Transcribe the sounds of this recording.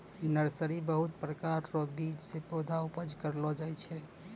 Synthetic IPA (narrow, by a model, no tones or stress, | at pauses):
nəɾsəɾibəɦut̪̚pɾəkaɾɾɔbid͡ʒsepod̪ʱaupəd͡ʒkəɾlɔd͡ʒajt͡ʃʰɛ